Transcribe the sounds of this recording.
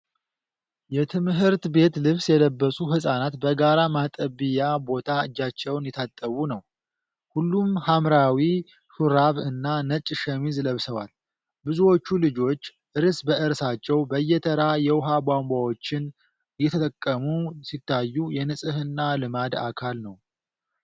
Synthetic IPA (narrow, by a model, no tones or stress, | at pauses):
jɛt̪ʰɨmɦɨɾt̪be̞t̪lɨβsjɛləbːəsʼuɦɨsʼanat̪bəɡaɾamat̪ʼəbɨjabo̞t̪ʰaɨd͡ʒːat͡ʃːɛwnjɛt̪ʰat̪ʼːəβunəw | hulːumhamɾawi | ʃuɾaβɨnːanət͡ʃʼːʃəmizɨləβsəwal | bɨzuwo̞t͡ʃːulɨd͡ʒo̞t͡ʃːʔɨɾsbəʔɨɾsat͡ʃːɛwbəjːɛt̪ʰəɾajɛwʊɦabʷambʷawo̞t͡ʃːɪn | jɛt̪ʰət̪ʼəkʼːəmusit̪ʰːajːujɛnɨsʼɨhɨnːalɨmad̪a̰kʰalnəw